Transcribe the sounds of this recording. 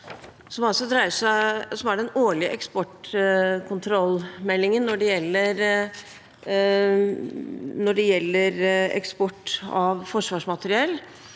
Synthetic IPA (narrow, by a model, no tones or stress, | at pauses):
sɔmɑlsɔd̪ɾæɪəʂæsɔmæɖɛnoːɭɪəʔɛkspɔʈkʰʊnt̪ʰɾɔlmɛlːɪŋənːɔɖɛjɛlːəɾ | nɔɖɛjɛlːəɾɛ̰kspɔʈːɑʋfɔʂʋɑːʂmɑt̪əɾɪɛlː